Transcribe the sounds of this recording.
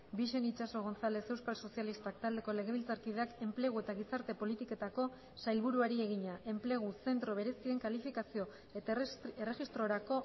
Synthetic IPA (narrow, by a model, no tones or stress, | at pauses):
biʃe̞nit͡ʃaso̞ɣ̞o̞nt͡sale̞se̞wskalso̞sialist̪akt̪ald̪e̞ko̞le̞ɣ̞e̞β̞ilt͡saɾkiðe̞ake̞mple̞ɣ̞ue̞t̪aɣ̞isaɾt̪e̞po̞lit̪ike̞t̪ako̞ | sajlβuɾuaɾie̞ɣ̞iɲaʔe̞mple̞ɣ̞use̞nt̪ɾo̞βe̞ɾe̞sie̞ŋkalifikasio̞ | eere̞ɣist̪ɾo̞ɾako̞